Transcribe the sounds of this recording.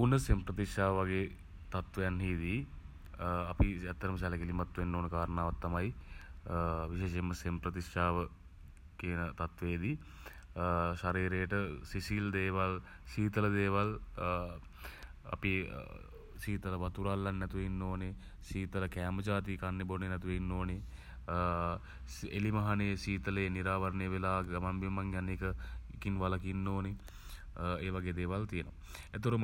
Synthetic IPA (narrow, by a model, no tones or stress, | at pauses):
punːəsempɾət̪iʃaːʋʋaɡeː | t̪at̪ʋɐjanɦiːd̪i | apiɛt̪ːəɾəməs̬ɛləkelimat̪ʋinːoːnəkaːɾənaːʋat̪ːamaj | ʋiʃeːʃeməsempɾət̪ikaːʋə | kiənət̪at̪ʋeːd̪i | ʃaɾiːɾejəʈəsisild̪eːʋal | ʃiːt̪ələd̪eːʋal | a̰pḭ | siːt̪ələʋat̪uɾalːanːɛt̪uʋeinːoːne | siːt̪ələkæːməd͡ʒaːt̪iːkanːebonenɛt̪uʋeinːoːne | ḛlimɐɦanesiːt̪əleːniɾaːʋəɾnəjəʋelaːɡamambimaŋjaneːkəikinʋalakinːoːne | eːʋaɡeːd̪eːʋalt̪ijənoʋa | æt̪ɾum